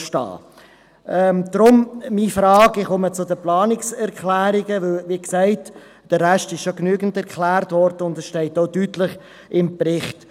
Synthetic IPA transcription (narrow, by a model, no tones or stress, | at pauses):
ʃtɑ̰ː | ʔɛd̪̥ɾʊmmifɾɑːɡɪχʊmət͡sʊdəplɑːnɪksɛɾkʰlæːɾɪɡəʋɪlʋiksæɪt | d̥əːæʃtɪʃʃoknyəɡən̩tɛɾʁkʰlæːrtvɔɾd̥əʊndɛsʃtɛɪtoʊtyːtləχ | ʔɪmpɾɪχt